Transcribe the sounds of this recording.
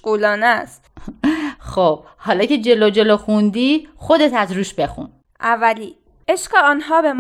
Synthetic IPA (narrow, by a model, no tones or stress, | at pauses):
ɡuːlɒːnæst̪ | xob̥̚ | hɒːlɒːcʰe̞d͡ʒe̞lod͡ʒe̞loxund̪iːxod̪et̪ʰæzɾuːʃbe̞xṵn | ʔævæliː | eʃqeɒːnɦɒːbem